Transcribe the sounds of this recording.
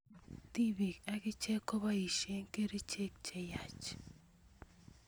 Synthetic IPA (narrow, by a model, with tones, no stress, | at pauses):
t̪i˦bi˨ka˦kɪ˦t͡ʃɛ˦ko˦ba˦i˨ʃe˦ŋke˦ɾi˦t͡ʃe˦k̚t͡ʃɛ˦˨ja˨t͡ʃ